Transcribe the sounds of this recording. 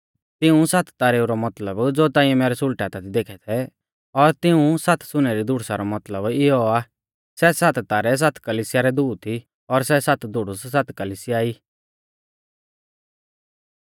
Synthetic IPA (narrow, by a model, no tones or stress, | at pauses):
t̪ɪũsɐt̪ʰt̪aːɾɛuɾɔmɐt̪ləbd͡zoːt̪ãːĩɛ̃mɛːɾɛsʊlʈaːt̪at̪ʰid̪eːkʰɛt̪ʰɛ | ɔɾt̪ɪũsɐt̪ʰsʊñɛɾid̪ʱʊɽsaɾɔmɐt̪ləbɪɦɔa | sɛsɐt̪t̪aːɾɛs̬at̪ʰkəliːsɪjaɾɛd̪uːt̪ʰi | ɔɾsɛsɐt̪ʰd̪ʱʊɽʊssat̪kəliːsɪjaːiː